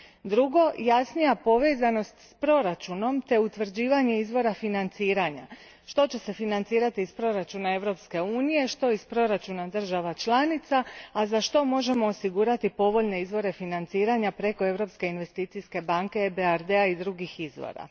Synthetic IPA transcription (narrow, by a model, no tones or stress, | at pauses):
d̪ɾuɡo̞jasnijapo̞ʋe̞ːzano̞st̪spɾo̞ɾat͡ʃuno̞mt̪e̞ut̪ʋr̩d͡ʑiːʋaɲe̞izʋo̞ɾafinant̪siːɾaɲa | ʃt̪o̞t͡ɕe̞se̞finant̪siːɾat̪iːspɾo̞ɾat͡ʃunae̞ʋɾo̞pske̞uːnije̞ʃt̪o̞ispɾo̞ɾat͡ʃunad̪r̩ʒaʋat͡ʃlanit̪saːzaʃt̪o̞mo̞ʒe̞mo̞ːsiɡuːɾat̪ipo̞ʋo̞ʎne̞izʋo̞ɾe̞finant̪siːɾaɲapɾe̞ko̞e̞ʋɾo̞pske̞inʋe̞st̪iːt̪siske̞baŋke̞beaɾd̪e̞aid̪ɾuɡixizʋo̰ɾa̰